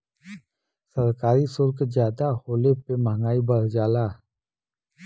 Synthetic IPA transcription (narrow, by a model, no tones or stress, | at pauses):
səɾkaːɾisʊɾkd͡ʒjaːd̪ahoːlepeməŋɡaːibəɽ̤d͡ʒaːlaː